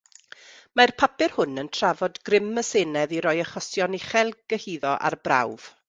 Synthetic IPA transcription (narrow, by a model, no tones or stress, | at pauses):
marpʰapɪrhʊnəntʰravɔdɡrɪmːəseːnɛðiɾɔjəχɔsjɔnɪχɛlˠɡ̥əhiːðɔʔa̰rbra̰wv̥